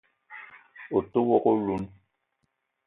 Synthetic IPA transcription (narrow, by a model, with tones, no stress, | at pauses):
o˨to˦wɔ˦ko˦lu˦n